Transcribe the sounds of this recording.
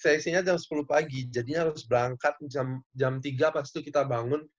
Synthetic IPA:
sɛsiɲad͡ʒamsə̥puluhpaɡid͡ʒadiɲaɦaɾʊsbəɾaŋkat̪̚mt͡ʃamd͡ʒamt̪iɡapast̪i̥t̪ukit̪abaŋʊn

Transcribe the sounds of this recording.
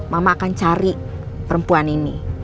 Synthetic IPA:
mamakant͡ʃaɾi | pəɾəmpuanini

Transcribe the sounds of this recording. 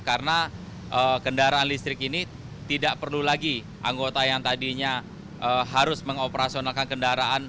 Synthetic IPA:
kaɾəna | ʔəkəndaɾaːnlist̪ɾɪkini | t̪idaʔpərlulaɡi | ʔa̰ŋɡot̪ajaŋt̪adiɲa | ʔəɦaɾʊsməŋopəɾasionalkankəndaɾaʔan

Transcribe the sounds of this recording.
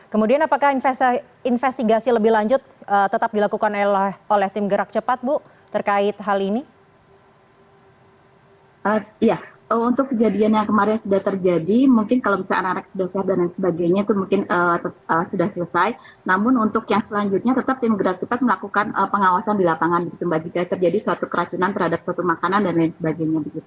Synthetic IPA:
kəmudianapakahnf | infɛst̪iɡasiləbɪhlaɲd͡ʒʊt̪ət̪ət̪ap̚dilakukanlholɛht̪ɪmɡəɾak̚t͡ʃəpat̪̚bʊ | t̪ərkaɪt̪̚ɦalini | ʔəija | əunt̪ʊkːəd͡ʒadianjaŋkəmaɾɪnsudaht̪ərd͡ʒadimuŋkɪnkalomisaʔa̰nakanak̚sudahsiap̚danaŋsəbaɡajɲait̪umuŋkɪnət̪əəsudahsələsaj | namʊnunt̪ʊkjaŋsəlaɲd͡ʒut̪̚ɲat̪ət̪ap̚t̪imɡəɾak̚təpat̪̚məlakukanʔəpəŋawasandilapaŋanbəɡit̪umbad͡ʒikajat̪ərd͡ʒadisuat̪ukəɾat͡ʃunant̪ərhadap̚suat̪umakanandanaŋsəbaɡajɲabəɡit̪u

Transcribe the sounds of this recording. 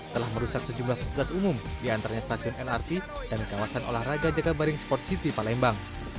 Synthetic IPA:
t̪əlahməɾusak̚səd͡ʒumblahfasilit̪asumʊmdiant̪aɾaɲast̪asiʊnɛlart̪id̥amikawasanʔo̰lahraɡad͡ʒaɡabaɾɪŋspɔrt̪̚sit̪ipalɛmbaŋ

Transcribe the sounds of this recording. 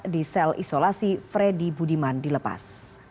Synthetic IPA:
disɛlʔḭsolasifɾedibudimandiləpa̰s

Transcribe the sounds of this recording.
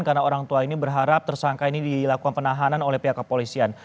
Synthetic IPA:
nkarnaoɾaŋt̪uainibərɦaɾap̚t̪ərsaŋkainidilakukanpənaɦananolɛhpeakəpolisian

